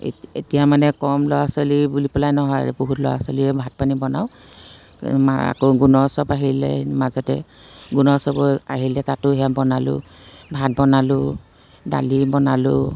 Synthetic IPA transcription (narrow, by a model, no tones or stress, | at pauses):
etijamanɛkɔmlɔwasɔlibulipɔlajnɔɦɔjboɦutlɔ̰wa̰sɔliɛbʱat̚panibɔnaʊ | maa̰koɡunɔsɔpaɦilɛ̰mazɔtɛ̰ɡunɔsɔbɔaɦilɛtatʊɦɛjabɔnalʊ̰bʱat̚bɔnalʊ | da̰libɔnalʊ